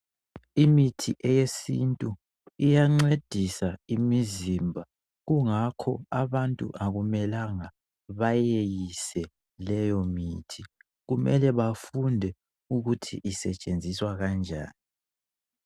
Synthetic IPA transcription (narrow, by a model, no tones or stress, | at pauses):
imitʰiʔɛjesintʼu | ijaŋ͡ǀed̥ʱisaimizimbʱa | ɣuŋakʰɔ̰aβantʼṵʔaɣumɛlaŋa | βajejisɛ | lɛjɔmiːtʰi | ɣumɛlɛβafundʱɛ | uɣutʰḭʔisɛt͡ʃʼend͡zʱiswaɣand͡ʒʱa̰ːni